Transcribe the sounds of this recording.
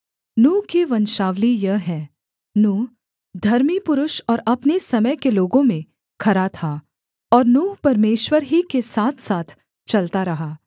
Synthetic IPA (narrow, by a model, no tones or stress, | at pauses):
nũːɦkiʋɐnʃaːʋlijɐɦɛː | nuːɦ | d̪ʱɐɾmipʊɾʊʃɔːɾɐpnesɐməjkeloːɡõmẽ | kʰɐɾat̪ʰa | ɔːɾnuːpɐɾmeːʃwəɾɦikesaːt̪ʰsaːt̪ʰ | t͡ʃɐlt̪aɾɐɦaː